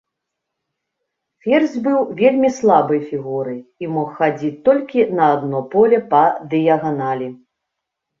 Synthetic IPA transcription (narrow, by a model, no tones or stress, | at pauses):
fʲɛrzʲbɨwvʲelʲmʲislˠabɨjfʲiɣuɾɨjimɔxːad͡zʲit͡sʲt̪ɔlʲkʲinɐːd̪nɔpɔlʲɛpɐd̪ɨjɐɣanalʲi